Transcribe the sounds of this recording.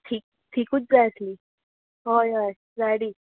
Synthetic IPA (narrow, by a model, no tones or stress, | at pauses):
ʈʰiːk̚ | ʈʰiːkuːt͡sd͡zajəsliː | ɦojaj | d͡zaɽiː